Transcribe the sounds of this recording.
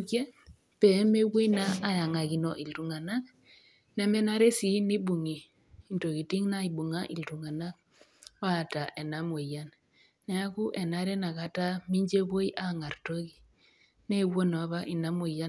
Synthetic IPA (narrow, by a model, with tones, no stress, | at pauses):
kje˦ | pe˨˦me˦wo˦i˦na˦a˨ja˨ŋa˨ki˨nɔ˨ʔi˨ltu˨ŋa˨na˦k̚ | nɛ˦mɛ˦na˦ɾe˦si˨˦ni˦bu˨ŋiː˨ | nto˨ki˨ti˦ŋna˦i˨bu˨ŋa˦ʔi˨ltu˨ŋa˨na˦k̚ | wa˦˨ta˨ʔe˨na˨˦mo˨ja˦nː | ɛ˨a˦ku˦ʔɛ˨na˦ɾɛ˦na˨ka˨ta˦mi˦ɲd͡ʒe˦bo˦i˦ʔa˦ŋa˨rto˦ki˨ | ne˦wo˦no˨˦βa˦ʔi˨na˦mo˨ja˦